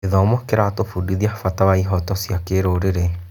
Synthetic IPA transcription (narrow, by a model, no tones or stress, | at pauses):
eðɔmɔkeɾatofudiðiafatawaiɦɔtɔsjakeɾoɾeɾe